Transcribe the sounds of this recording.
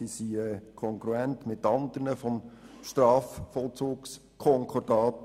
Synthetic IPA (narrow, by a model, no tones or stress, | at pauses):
isiɛkʰɔŋkɾuɛntmɪtɑnd̪əɾnəfɔm | ʃtɾɑːffɔlt͡suːks | kʰɔŋkʰɔɾd̥ɑːt